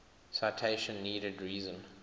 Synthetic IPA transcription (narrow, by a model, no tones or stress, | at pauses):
saɪtʰeɪʃə̃nːiːɾədɹiːzə̃n